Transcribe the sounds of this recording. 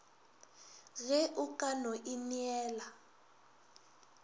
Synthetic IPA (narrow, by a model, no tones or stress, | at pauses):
ɣɛʔukʼanoʔiniɛːla